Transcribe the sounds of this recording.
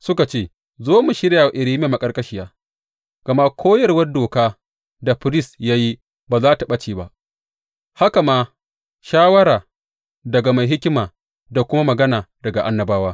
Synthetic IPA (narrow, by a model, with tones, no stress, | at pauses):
sʊ˦ka˨t͡ʃeː˦˨ | zoː˦mu˨ʃɪ˦ɾjaː˨wa˨ʔɪ˨ɾiː˦m˦a˨ma˨kʼɐ˦rkʼɐ˦ʃɪ˦jaː˦ | ɡ̥ɐ˨ma˦kʰʷoː˦jɐ˨rwɐ˦rdoː˨kaː˦ | da˨ɸɪ˦ɾɪ˦˨sja˦ji˦ | baː˨zaː˦ta˨ɓɐ˦t͡ʃiː˨ba˦ʔ | ha˦ka˨maː˦ | ʃaː˦wɐ˦ɾaː˨ | dɐ˨ɡa˨ma˨jɦɪ˦kʲɪ˦maː˨ | da˨kʷʊ˦ma˦mɐ˨ɡɐ˦naː˨dɐ˨ɡa˨ʔa˦nːɐ˨baː˦waː˦